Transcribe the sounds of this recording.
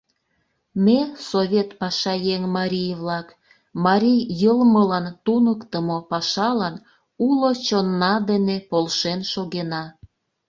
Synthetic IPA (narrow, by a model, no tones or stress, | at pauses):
mʲesoβʲet̪pɑʃɑjeŋmɑɾʲijβlɑk | mɑɾʲijjəlməlɑnt̪unəkt̪əmopɑʃɑlɑn | ulot͡ɕonːɑd̪enepolʃenʃoɣenɑ